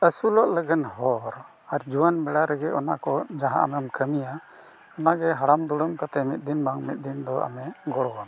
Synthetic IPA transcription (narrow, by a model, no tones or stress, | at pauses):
əsulɔʔləɡənhɔɾ | aɾd͡ʒuwanbɛɽaɾɛɡɛɔna̰kɔd͡ʒaɦã̰ʔa̰mɛmkəmija | ɔnaɡɛɦaɽamd̪uɽəmkat̪ɛmit̪̚ˀd̪inbaŋmit̪̚d̪ind̪ɔʔa̰mɛɡɔɽɔɡam